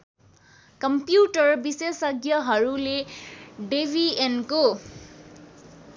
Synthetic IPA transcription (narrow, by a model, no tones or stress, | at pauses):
kʌmpjuʈʌrbisesʌɡjʌɦʌɾuleɖebʱienko